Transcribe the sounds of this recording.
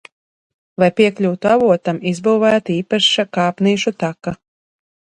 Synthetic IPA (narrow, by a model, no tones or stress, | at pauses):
lajpiɛklʲuːt̪uavuɔt̪amizbuːvæːt̪iːpaʃakaːpniːʃut̪aka